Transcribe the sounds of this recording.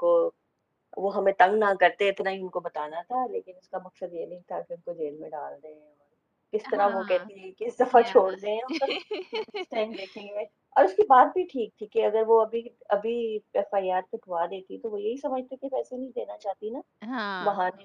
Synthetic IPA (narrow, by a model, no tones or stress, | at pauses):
ko | ʋoɦɐmẽt̪ɐ̃ŋɡnakɐɾt̪eɪt̪naɦiʊnkobɐt̪aːnat̪ʰaleːkɪnʊskamɐksəd̪jenɐɦĩt̪ʰakeʊnkod͡ʒeːlmẽɖa̰ːld̪ɐeɛ̃ɔːɾ | kɪst̪ɐɾaʋokɛɦt̪iɦɛ̃keɪsd̪ɐfat͡ʃʰoːɽd̪eɛ̃ʊnkɐɾst̪ɛ̃ːŋd̪eːkʰẽẽ | ɔ̰ːɾʊskibaːt̪̚bʱiʈʰiːk̚t̪ʰikeɐɡəɾʋoɐbʱiɐbʱiɛːfaːiaːɾsepʰʊad̪eːt̪ʰit̪oʋojɐɦisɐməd͡ʒʱt̪ekepɛːsenɐɦĩd̪eːnat͡ʃaːt̪inã | ʋɐɦãn